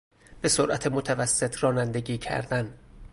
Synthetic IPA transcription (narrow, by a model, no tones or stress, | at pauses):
b̥e̞soɾʔæt̪ʰemot̪ʰævæsːe̞t̪ʰrɒːnænd̪eɟiːcʰæ̰ɾd̪æn